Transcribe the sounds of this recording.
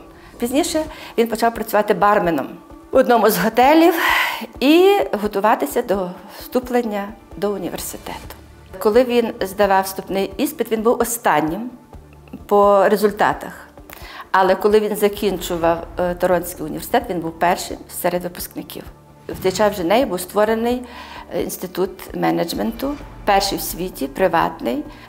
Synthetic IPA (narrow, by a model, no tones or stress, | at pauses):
pʲizʲnʲiʃɛʋʲinpɔt͡ʃɑwpɾɐt͡sʲʊʋɑt̪ɪbɑrmenɔ̰mɔd̪nɔmʊzɦɔt̪ɛlʲiwiɦɔt̪ʊʋɑt̪ɪsʲɐd̪ɔ | st̪uplˠenʲːɐd̪ɔʊnʲḭʋḛrsɪ̥t̪ɛt̪ʊ̥ | kɔlˠɪʋʲinzd̪ɐʋɑwst̪upnɪjispɪtd̪ʋʲinbuwɔst̪ɑnʲːim | pɔɾezʊlʲt̪ɑ̰t̪ɐx | ɐlˠɛkɔlˠɪʋʲinzɐkʲinʲt͡ʃʊʋɐwt̪ɔɾɔnʲsʲkijʊnʲḭʋersɪ̥t̪ɛt̪ʋʲinbuwpɛrʃɪ̰msɛɾed̪ʋɪpʊ̥sknɪkʲḭw | wt̪ɛt͡ʃɑswʒɪnɛjibuwst̪ʋɔɾenɪjḭnst̪ɪt̪ut̪mɛnɐd͡ʒment̪ʊpɛrʃijwsʲʋʲitʲipɾɪʋɑ̰t̪nɪj